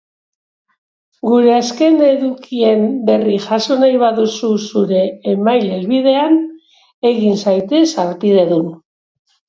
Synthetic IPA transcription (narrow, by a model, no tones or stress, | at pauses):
ɡuɾe̞aske̞nd̪eːðukie̞mbe̞riʝaso̞najβaðususuɾe̞ːmajlezβiðe̞an | e̞ɣinsajt̪e̞saɾt̪ið̞e̞ðun